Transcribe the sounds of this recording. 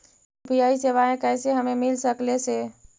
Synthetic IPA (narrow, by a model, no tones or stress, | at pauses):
pijaiseβaẽkəjseɦəmemilsəklese